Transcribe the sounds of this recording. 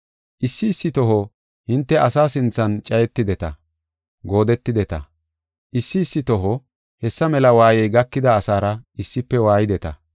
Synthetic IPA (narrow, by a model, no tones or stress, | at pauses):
ʔɪsːɪːsːɪt̪ɔɦɔ | hɪnt̪ːɛʔɐsaːsɪnt͡sːɐnt͡ʃʼɐjɛt̪ːɪd̪ɛt̪ɐ̰ | ɡo̞ːd̪ɛt̪ːɪd̪ɛt̪ɐ̰ | ʔɪsːɪːsːɪt̪ɔɦɔ | hɛsːɐmɛlɐwaːjɛjɡɐkːɪd̪ɐːsaːɾɐɪsːɪpːɛwaːjɪd̪ɛt̪ɐ̰